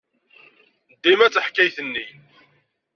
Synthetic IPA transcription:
d̪ːimæt͡sːəħkːæjθənːi

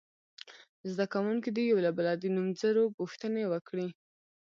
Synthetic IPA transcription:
zd̪akawuŋkid̪ijawlabalɑd̪inumzəɾopuxt̪ənewəkɽi

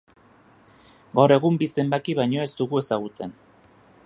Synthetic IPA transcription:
ɡawɾe̞ɣumbise̞mbakiβajɲo̞e̞zt̪uɣue̞saɣ̞ut͡se̞n

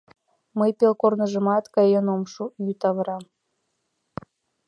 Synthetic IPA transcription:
məjpelˠkornəʒə̆mɑt̪kɑjenomʃujut̪ɑβəɾɑm

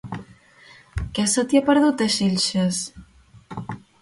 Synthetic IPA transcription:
kɛsət̪iapəɾðut̪əʃeʎʲʃes

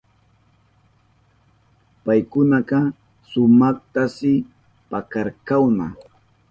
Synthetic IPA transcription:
pajkʊnaqɑ | sʊmɑχt̪asɪ | pakaɾkawna̰

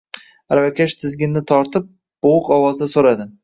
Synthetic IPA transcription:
ɾavakʲʰaʃt̪ʰɪzɡʲɪnːɪt̪ʰɒɾt̪ʰɪp̚ | b̥oʊkɒwɒzd̪asoɾad̪ɪ

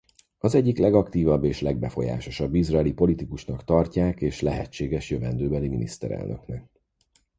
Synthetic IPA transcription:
ɒzɛɟːiklɛɡɒkt̪iːvɒbːeːʃlɛɡ̚bɛfo̞ja̰ːʃo̞ʃɒbːizrɒɛlipo̞lit̪ikuʃnɒkt̪ɒrcaːkeːʃlɛɦɛt͡ʃːeːɡɛʃjøvɛnd̪øːbɛliminḭst̪ɛ̰ɾɛ̰lnø̞̰knɛk

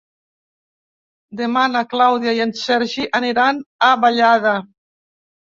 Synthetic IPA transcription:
d̪emanaklawðjajansɛɾʒiʔaniɾanaβaʎaða

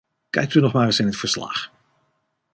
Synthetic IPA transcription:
kɛ̰jk̚tynɔχmaːɹəsɪnɦətfəɹslɑ̰χ

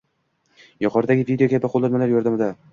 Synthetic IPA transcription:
jʊqʰɒɾd̪aɡʲɪvid̪ʲeokʲʰabɪqʰolˠːanmalaɾjɒɾd̪amɪd̪a

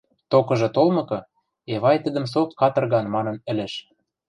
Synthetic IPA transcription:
t̪okɤ̆ʒɤ̆t̪olmɤ̆kɤ̆ | eβɑjt̪ə̆d̪ə̆msokkɑt̪ɤ̆rɣɑnmɑnɤ̆nɘ̆lĕʃ

